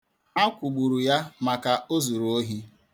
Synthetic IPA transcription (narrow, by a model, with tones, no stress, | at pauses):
a˦kʷu˨ɡ͡bu˨ɾu˨ja˦ma˨ka˨o˦zu˨ɾu˨o˦ɦi˦